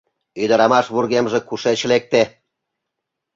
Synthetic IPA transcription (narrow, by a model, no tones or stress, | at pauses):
yd̪ə̆ɾɑmɑʃβurɣemʒĕkuʃet͡ɕlek̚t̪e